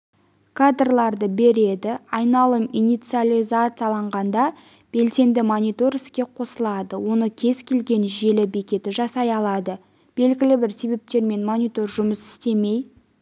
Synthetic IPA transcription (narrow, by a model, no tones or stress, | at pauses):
kʰad̪rlˠɑɾd̪əbe̞ɾe̞d̪ɪɑjnɑlˠəminijt̪sialʲizat̪sɨjalˠɑɴʁɑnd̪ɑ | b̥e̞lse̞nd̪ɪmonʲijt̪o̞rɪskʲe̞qʰo̞səlˠɑd̪əwo̞nəkʲʰe̞zkʲʰe̞lɡʲe̞nʒe̞lɪbe̞kʲe̞t̪ɪʒɑsɑjɑlˠɑd̪ə | b̥e̞lɡʲɪlɪbɪɾse̞be̞p̚t̪e̞ɾme̞nmonʲijt̪o̞rʒʊməsɪ̥st̪e̞me̞j